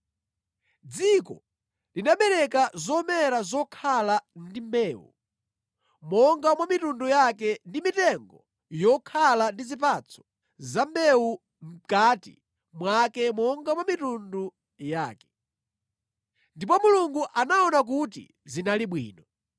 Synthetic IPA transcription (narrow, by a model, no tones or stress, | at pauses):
d͡zikɔ̰ | linaɓɛɾɛkazɔmɛɾazɔkʰalandimbɛːwṵ | mɔŋɡamwamitundujakɛndimitɛŋɡɔ | jɔkʰalandizip̬at͡sʰɔ̥ | zambɛu | m̩katḭ | mwakɛmɔŋɡamwamitundu | jaːkɛ̥ | ndipɔmuluŋɡuʔanaɔnak̬ut̬ḭ | zinaliɓwḭːnɔ